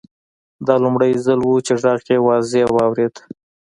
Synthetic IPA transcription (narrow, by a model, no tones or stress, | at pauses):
d̪ɑlʊmɽajzəlwut͡ʃeʐɑɣkewɑzewɑwɾed̪